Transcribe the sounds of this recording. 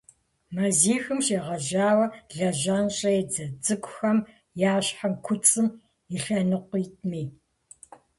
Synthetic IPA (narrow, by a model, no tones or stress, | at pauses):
mɐziːxɨmʃeːʁɐʒaːwɐɮɐʒaːnɕʼɐɛd͡zɐd͡zɨkʷʰʼʊxɐm | jaːɕħamkʷʰʊt͡sʼɨm | iɬɐnɨqʷiːt̚ʰʼmiː